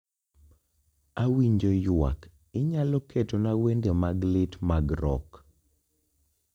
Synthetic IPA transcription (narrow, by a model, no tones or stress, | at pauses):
awiɲd͡ʒojʊa̰k | ɪɲalɔketonawendemaɡlɪtmaɡɾɔ̰k